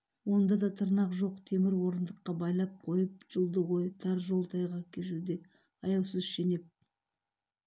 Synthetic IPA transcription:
wo̞nd̪ɑd̪ɑt̪ʰəɾnɑqʒo̞qt̪ʰe̞mɪɾwo̞ɾənd̪əqːɑbɑjlˠɑp̚qʰo̞jəp̚ʒ̥əlˠd̪əʁojt̪ʰɑɾʒo̞lˠt̪ʰɑjʁɑkʲʰeʃ̬ud̪e̞ | ɑjɑwsəzʃe̞ne̞p̚

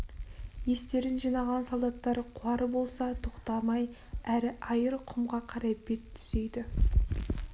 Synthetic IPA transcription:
je̞st̪e̞ɾɪnʒijnɑʁɑnsalˠd̪ɑt̪ːɑɾqʰʊwɑɾəbo̞lˠsɑt̪ʰoqt̪ɑmɑj | æɾɪʔɑjəɾqʰʊmʁɑqʰɑɾɑpːe̞t̪ʰːʏ̥z̥e̞jd̪ɪ

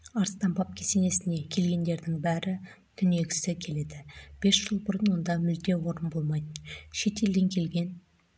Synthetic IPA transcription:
ɑɾst̪ɑmbɑp̚kʲʰe̞se̞ne̞sɪne̞kʲʰe̞lɡʲe̞nd̪e̞ɾd̪ɪŋbæɾɪ | t̪ʰʏne̞ɡʲɪ̥sɪkʲʰe̞le̞d̪ɪb̥e̞sʒ̥əlˠbʊɾənwo̞nd̪ɑmʏld̪e̞wo̞ɾənbo̞lˠmɑjd̪əʃe̞t̪e̞ld̪e̞ŋkʲʰe̞lɡʲe̞n

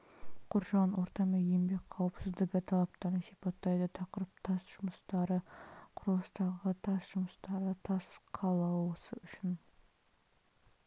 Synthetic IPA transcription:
qʰʊɾʒɑnwʔo̞ɾt̪ɑmejembe̞k̚ʲqʰɑwəpsɪzd̪ɪkʲɪt̪ʰɑlˠɑp̚t̪ɑɾd̪əsipɑt̪ːɑjd̪ət̪ʰɑqəɾəp̚t̪ʰɑsʒ̥ʊməst̪ɑɾəqʰʊɾəlˠəst̪ɑʁət̪ʰɑsʒʊməst̪ɑɾət̪ʰɑsqʰɑlˠɑwəsəʏʃɪn

